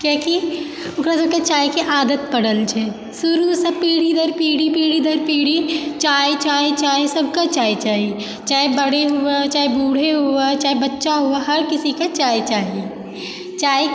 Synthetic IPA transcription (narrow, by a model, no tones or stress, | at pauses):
keːki | ʊkɾasɐbkat͡ʃaːjkeʔaːd̪ət̪̚pɐɽəlt͡ʃʰɛː | sʊɾusɐb̚peːɽid̪əɾpiːɽipeːɽid̪əɾpeːɽ̤it͡ʃaːjt͡ʃaːet͡ʃaːɦiesɐbʱkat͡ʃaːjt͡ʃaːɦi | t͡ʃaːebəɽeɦuat͡ʃaːibuːɽ̤eɦuat͡ʃaːebɐtːʃaɦuaɦɐɾkɪsikat͡ʃaːjt͡ʃaːɦi | t͡ʃaːj